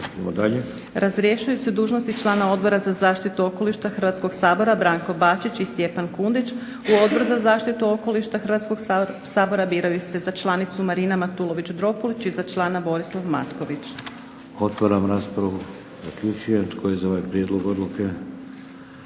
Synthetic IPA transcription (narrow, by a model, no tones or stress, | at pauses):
mod̪aʎe | ɾʔazɾjeʃujuse̞d̪uːʒnost̪it͡ʃlˠaːnao̞d̪̚bo̞ɾazazaːʃt̪it̪uo̞ko̞liʃt̪axr̩ʋat̪sko̞ɡsaːbo̞ɾabɾaːŋko̞baːt͡ʃit͡ɕist̪je̞pankund̪it͡ʃ | uo̞d̪̚bo̞ɾuzazaːʃt̪it̪uo̞ko̞liʃt̪axrʋat̪sko̞ɡsaːbo̞ɾabiːɾajuse̞zat͡ʃlˠanit̪sumaɾiːnamat̪ulˠo̞ʋit͡ɕd̪ɾo̞polit͡ɕizat͡ʃlˠaːnabo̞ɾislˠaʋma̰t̪koʋit͡ʃ | ot̪ʋaɾamɾaːspɾaʋu | zakʎut͡ʃujet̪kʰojezaoʋajpɾjed̪lˠoɡod̪lˠuke